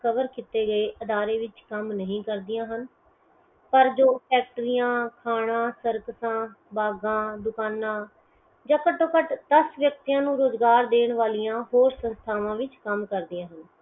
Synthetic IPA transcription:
kəʋəɾkɪt̪eːɡəeːʔəd̪aːɾeːʋɪt͡ʃkəmnəɦĩːkəɾd̪ɪjãːɦən | pəɾd͡ʒoːpʰɛːk̚ʈəɾɪjãːkʰaːɽ̃ãːsəɾkəsãː | baːɡãːd̪ʊkaːnãː | d͡ʒãːkəʈːoːkəʈt̪əsʋjəkt̪ijãːnũːɾoːzɡaːɾd̪eːɳ̃ʋaːlijãːɦoːɾsənst̪ʰaːʋãːʋɪt͡ʃkəmkəɾd̪ɪjãːɦən

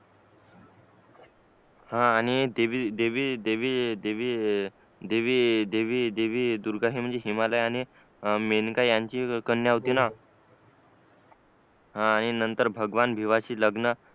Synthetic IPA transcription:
hãːɽ̃id̪eʋid̪eʋiːd̪eʋid̪eʋi | d̪eʋiːd̪eʋiːd̪eʋiːd̪uɾɡaɦiːm̤əɳd͡zeɦimaləjaɽ̃i | menkajjaɲt͡ɕiːkənːjaɦot̪iːna | hãːɽ̃inənt̪əɾbʱəɡʋanbʱiʋaɕiːləɡnə

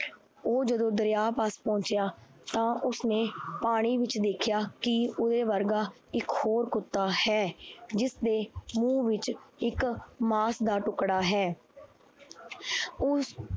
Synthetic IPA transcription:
oːd͡ʒəd̪õːd̪əɾjaːpaːspɔ̃ːt͡ʃɪjaː | t̪ãːʔʊsneːpaːɽ̃iːʋɪt͡ʃd̪eːkʰɪjaːkɪʊd̪eːʋəɾɡaː | ɪkhoːɾkʊt̪ːaːhɛːd͡ʒɪsd̪eːmũːʋɪt͡ʃɪkmaːsd̪aːʈʊkɽaːɦɛː | ʊ

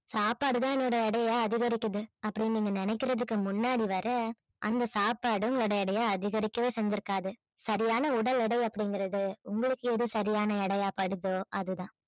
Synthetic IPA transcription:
saːpaːɽɯðãːɛnːoːɽɐɛɽɐjaːɐðɪɣɐɾɪkːɐðɯɐpːɐɽɪniːŋɡɐnɪnɛɪkːɪɾɐðɯkːɯmʊnːaːɽiʋɐɾɐ | ʔɐ̰nd̪ɐsaːpaːɽɯʊŋɡɐɭoːɽɐɛɽɐjaːɐðɪɣɐɾɪkːɐʋeːsɛɲd͡ʒɪɾɯkːaːðɯ | sɐɾɪjaːnɐʊɽɐlɪɽɐɪɐpːɐɽɪŋɡɪɾɐðɯʊŋɡɐɭɯkːɯeðɯsɐɾɪjaːnɐɛɽɐjaːpɐɽɯðoːʔɐðɯðãː

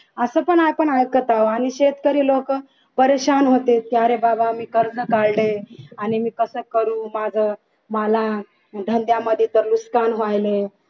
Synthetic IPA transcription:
əsəpəɳajpəɳajəkət̪aoaniɕet̪kəɾiːlok | pəɾeɕanɦot̪et̪jaɾebabamiːkəɾd͡zəkaɽleanimiːkəsəːkəɾũːmad͡zʱə | məla | ɖʱənd̪jaməd̪ʱjet̪əɾluskanɦoajle

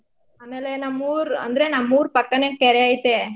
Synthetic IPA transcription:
anaːlenãmuːɾɐ̰nd̪ɪɾeːnãmːuːɾpɐkːɐnẽkɛɾɐjaːjt̪ːeː

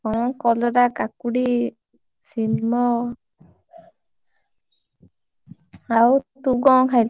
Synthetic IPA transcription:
ɔɔŋkɔlɔɾakakuɽi | simɔ | awt̪uɡɔŋɦajl

